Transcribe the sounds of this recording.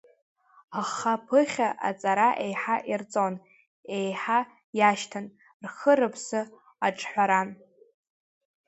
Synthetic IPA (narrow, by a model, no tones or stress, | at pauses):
aχapʰɨχʲaʔa̰t͡sʼaɾaʔejħaʔirt͡sʼon | ejħa | jaʃtʰan | rχəɾɨpʰsɨ | aʈ͡ʂʼħʷaɾan